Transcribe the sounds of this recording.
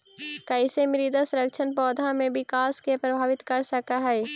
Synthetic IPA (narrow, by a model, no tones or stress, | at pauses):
kaɪsemɪɾid̪asɐɾəkʃʰənpɔːd̪ʱãmẽbɪkaːskepɾəbʱaːʋɪt̪kɐɾsəkaɦɛː